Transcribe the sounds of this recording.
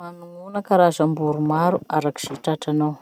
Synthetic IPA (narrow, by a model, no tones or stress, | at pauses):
manuunakaɾazambuɾumaɾuaɾaki̥z̥iʈ͡ʂaʈ͡ʂanaw